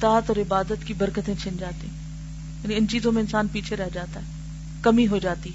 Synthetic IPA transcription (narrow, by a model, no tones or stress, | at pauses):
t̪aːt̪ɔːɾɪbaːd̪ət̪kibɐɾkət̪ẽt͡ʃʰɪ̃nd͡ʒaːt̪iɦɛ̃ | jaːniɪnt͡ʃiːzõmẽɪnsaːnpiːt͡ʃʰeɾɛɦd͡ʒaːt̪aɦɛː | kɐmiɦod͡ʒaːt̪iɦ